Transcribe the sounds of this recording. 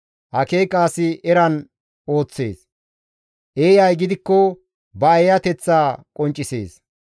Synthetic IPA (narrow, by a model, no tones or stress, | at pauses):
hɐke̞ːkʼːaːsɪʔɛɾɐn | o̞ːt͡sːḛːs | ʔeːjɐjɡɪd̪ɪkːɔ | bɐɐjɐt̪ɛt͡sːaːkʼɔnt͡ʃʼːɪse̞̰ːs